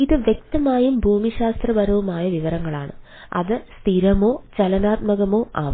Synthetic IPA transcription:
iðɨʋjek̚t̪ɐmaːjumbʱuːmiɕaːst̪rɐʋɐɾɐʋumaːjɐʋiʋɐɾɐŋːɐɭa̰ːɳɨ | ɐ̰ðɨst̪ʰiɾɐmo̞ːt͡ɕɐlɐnaːt̪̚mɐɣɐmo̞ːʔa̰ːʋɐ

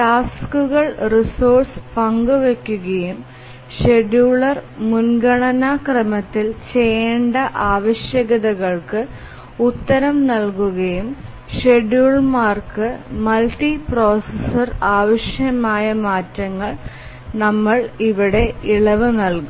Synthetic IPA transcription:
ʈaːskuɣɐɭrisoːrspɐŋɡuʋekʲːuɣɐjum | ʂe̞ɖjuːɭɐrmunɡɐɳɐnɐkrɐmɐt̪ːilt͡ɕejeːɳɖɐʔaːʋɐɕjɐɣɐðɐɣɐɭkɨ | ut̪ːɐɾɐmnɐlkuɣɐjum | ʂeɖjuːɭmaːrkɨmɐlʈipro̞ːsesɐraːʋɐɕjɐmaːjɐmaːtːɐŋːɐɭ | nɐmːɐɭiʋiɽe̞iɭɐʋɨnɐlkum

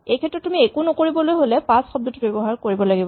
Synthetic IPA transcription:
ejkʰɛtɹɔtːumiekunokoɹibɔlojɦolɛpãsxɔb̚dutubebɔɦaɹkoɹibɔlaɡibɔ

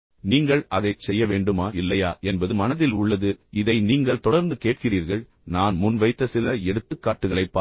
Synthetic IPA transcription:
niːŋɡɐɭɐðɐɪt͡ʃsɛjːɐʋeːɳɖɯmaːɪlːɐjaːʔɛnbɐðɯmɐnɐðɪlʊɭːɐðɯɪðɐɪniːŋɡɐɭt̪ɔɽɐɾnd̪ɯkeːʈ̚kɪriːɾɣɐɭ | naːnmʊnʋɐɪt̪ːɐsɪlɐɛɽɯt̪ːɯkːaːʈːɯɣɐɭɐɪpːaː

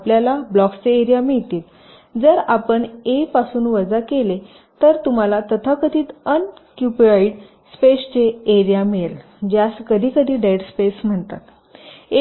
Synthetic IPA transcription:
apljalablɔkt͡seeɾijamiɭt̪iːl | d͡zəɾapəɳepasuːnʋəd͡zakele | t̪əɾt̪um̤alat̪ət̪ʰakəd̪ʱiːt̪ənkjupiʋaiɖ | spest͡ɕeeɾijameel | d͡ʑaskəd̪ʱiːkəd̪ʱiːɖeʈspesm̤əɳt̪a̰t̪ | e

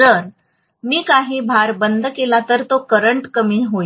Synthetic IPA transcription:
əɾ | miːkaɦiːbʱaɾbənd̪kelat̪əɾt̪okəɾəɳʈkəmiːɦo

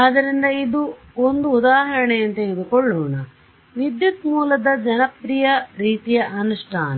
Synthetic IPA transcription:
ɐd̪ɐɾind̪ɐid̪u | ond̪uːd̪aːɦɐɾɐɳejɐnt̪ɐid̪ukoɭːoːɳɐ | ʋid̪jut̪muːlɐd̪ɐd͡ʒɐnɐpɾijɐɾiːt̪ijɐʔɐnuʂʈʰaːnɐ

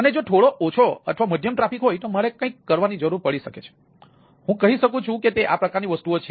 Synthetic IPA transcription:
əned͡ʒoʈ̪ʰoɭoʔot͡ʃʰoə̰ʈ̪ʰʋaməd̪ʱjəmʈɾafikɦojt̪oməɭekə̃ĩkːəɾʋanid͡ʒəɾuɾpəɭiʃəket͡ʃʰe̥ | ɦũkəɦiʃəkũt͡ʃʰũket̪eʔa̰pɾəkaɾniʋəst̪uot͡ʃʰe

